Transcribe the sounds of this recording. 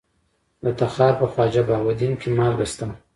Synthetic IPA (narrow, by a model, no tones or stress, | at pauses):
d̪ət̪axɑːɾpəfɑd͡ʒabɑwad̪inkʰemɑlɣəst̪əm